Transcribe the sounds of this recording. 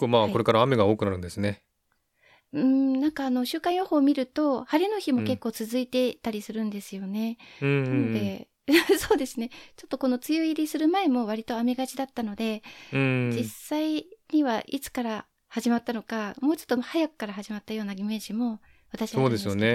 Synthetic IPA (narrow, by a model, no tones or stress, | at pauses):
kːoːmaːko̞ɾe̞kaɾaːme̞ɡaoːkɯ̟naɾɯ̟̃nd̪e̞sɨne̞ | ɯ̟̃nãŋkaːno̞ɕɨːkãɰ̃jo̞hoːmʲiɾɯ̟t̪o̞haɾʲino̞çimo̞ke̞kːo̞ːt͡sɨzɨit̪e̞t̪aɾʲisɨɾɯ̟̃nd̪e̞sɨjo̞nẽ̞nanod̪e̞ | soːd̪e̞sɨnet͡ɕo̞t̪ːo̞ko̞no̞t͡sɨjoiɾʲisɨɾɯ̟mae̞mo̞βaɾʲit̪o̞ame̞ɡat͡ɕid̪at̪ːano̞d̪ẽ̞ | d͡ʑisːaiɲ̟iβaʔit͡sɨ̥kaɾa | haʑimat̪ːano̞kamo̞ːt͡ɕo̞t̪ːohajakɯ̥kaɾaɦaʑimat̪ːajo̞ːnaɡʲime̞ːʑimo̞ | βat̪aɕioːd̪e̞sɨjone̞